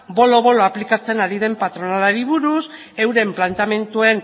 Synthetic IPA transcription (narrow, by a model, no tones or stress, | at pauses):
bo̞lo̞βo̞loaplikat͡se̞naɾið̞e̞mpat̪ɾonalaɾiβ̞uɾus | e̞wɾe̞mplant̪ame̞nt̪ue̞n